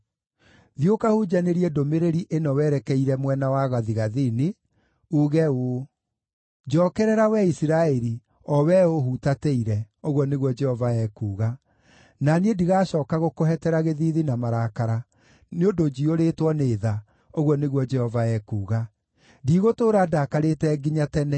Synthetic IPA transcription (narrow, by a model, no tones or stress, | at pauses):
ðjokahud͡ʒaneɾiɛdomeɾeɾiʔenɔwɛːɾɛkɛiɾɛmwɛnawaɣaðiɣaðine | uɣɛo | d͡ʒɔkɛɾɛɾawɛisiɾaɛɾi | ɔwɛoɦutateiɾɛoɣwɔneɣwɔd͡ʒɛhɔvaɛːkuːɣa | naneediɣaɕɔːkaɣokoɦɛtɛɾaɣeðiðinamaɾaːkaɾa | neodod͡ʒioɾeːtwɔneːða | oɣɔneɣwɔd͡ʒɛhɔvaɛːkuːɣa | diɣotoːɾaːdakaɾetɛːɡiɲatɛnɛ